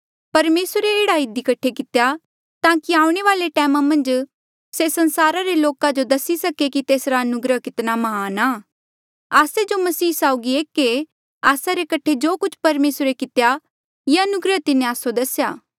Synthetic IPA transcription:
pɐɾmeːsɾeeːɽaɪd̪ikɐʈʰekɪt̪eja | t̪ãːkiaːũɽ̃eʋaːleʈɛːmamɐ̃nd͡ʒ | sesɐ̃nsaːɾaɾeloːkad͡ʒod̪ɐsisɐkekit̪eːsɾaɐnʊɡɾəɦkɪt̪namɐɦaːnaː | aːsed͡ʒomɐsiːsaːʊɡieːkːe | aːsaɾekɐʈʰːed͡ʒoːkʊt͡ʃʰpɐɾmeːsɾekɪt̪ja | jeɐnʊɡɾət̪ɪnẽaːsod̪ɐsjaː

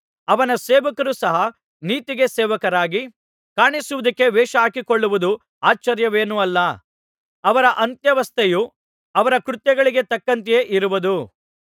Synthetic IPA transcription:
ɐʋɐnɐseːʋɐkɐɾusɐɦɐ | niːt̪iɡe̞seːʋɐkɐɾaːɡi | kaːɳisuʋud̪ɐkːe̞ʋɛːʃɐaːkikoɭːuʋud̪u | aːt͡ʃːɐɾjɐʋeːnuɐlːɐ | ɐʋɐɾɐʔɐnt̪jɐʋɐst̪ʰeju | ɐʋɐɾɐkɾut̪jɐɡɐɭiɡe̞t̪ɐkːɐnt̪ijeːʔiɾuʋud̪u

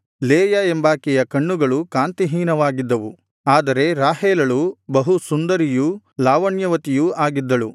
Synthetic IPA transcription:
leːjɐembaːkɛjɐkɐɳːuɡɐɭukaːnt̪iɦiːnɐʋaːɡid̪ːɐʋu | aːd̪ɐɾe̞ɾaːɦeːlɐɭubɐɦusund̪ɐɾiju | laːʋɐɳjɐʋɐt̪ijuaːɡid̪ːɐɭu

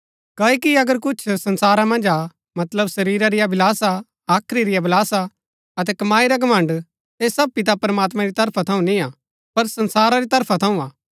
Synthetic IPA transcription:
kɐikiɐɡəɾkʊt͡ʃʰsɐ̃nsaːɾamɐ̃nd͡ʒa | mɐt̪ləbsɐɾiːɾaɾɪjabɪlaːsa | aːkʰɾiɾɪjabʱɪlaːsa | ɐt̪̬ɛkɐmaːiɾaɡɐmɐ̃ɳɖ | eːsɐb̚pɪt̪̬apɐɾmaːt̪̬mãɾit̪ɐɾpʰat̪ʰɐũnĩa | pɐɾsɐ̃nsaːɾaɾit̪ɐɾpʰat̪ʰɐũaː

